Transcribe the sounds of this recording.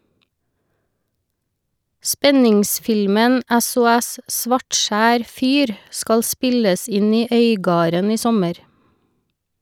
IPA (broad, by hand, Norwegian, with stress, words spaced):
ˈspɛnɪŋˌsfɪlmən ɛsʊˈɛs ˈsʋɑʈˌʃæːɾ ˈfyːɾ ˈskɑl ˈspɪləs ˈɪn ˈiː ˈœʏˌɡɑːɾən ˈiː ˈsɔməɾ